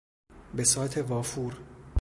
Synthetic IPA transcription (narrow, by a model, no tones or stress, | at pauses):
be̞sɒːt̪ʰe̞vɒːfuːɾ